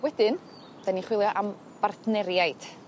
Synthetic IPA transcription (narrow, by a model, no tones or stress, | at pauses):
wɛdɪn | d̥aniχwɪlˠjɔʔam | b̥arθnɛɾjajd̥